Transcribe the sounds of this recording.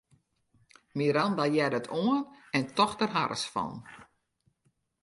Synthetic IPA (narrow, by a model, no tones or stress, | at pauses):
miɾandajɛdətʰoənɛntɔxdərɦa̰ɾʔə̰sfɔ̰n